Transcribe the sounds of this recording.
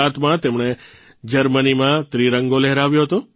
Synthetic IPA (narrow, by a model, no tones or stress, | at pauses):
at̪mãt̪emɳ̃e | d͡ʒəɾmənimãt̪ɾiɾəŋɡolɛɦɾaʋjoɦət̪o